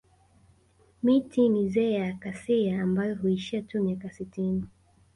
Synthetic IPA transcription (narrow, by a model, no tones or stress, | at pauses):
mitinizɛːjakasiaːmbajɔɦuiʃiatumiakasitini